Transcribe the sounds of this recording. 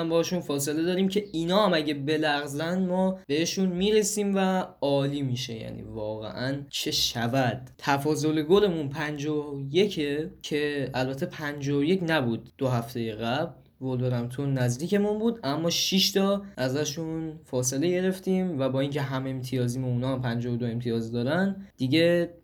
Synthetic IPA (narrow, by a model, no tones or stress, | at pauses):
æmbɒhʃunfɒːse̞le̞d̪ɒːɾiːmcʰe̞iːnɒːhæmæɟebe̞læɣzænmɒːb̥e̞he̞ʃunmiːɾe̞siːmvæɒːliːmiːʃe̞jæ̰ːnḭːvɒːɣḛʔænt͡ʃʰe̞ʃævæd̪̥̚t̪ʰæfɒːzo̞leɡole̞munpʰænd͡ʒoje̞cʰecʰe̞ælbæt̪ʰːe̞pʰænd͡ʒooje̞cnæbuːd̪̚ːoɦæft̪ʰe̞jeɣæbl | vold̪oɾæmt̪ʰonːæzd̪iːkce̞munbuːd̪æmːɒːʃiʃt̪ʰɒʔæzæʃunfɒːs̬e̞le̞ɟe̞ɾe̞ft̪iːmvæbɒːiːŋcʰe̞ɦæme̞mt̪ʰijɒːziːmouːnɒːhæmpʰænd͡ʒɒod̪oe̞mt̪ʰijɒːzd̪ɒːɾænd̪̥iɟe̞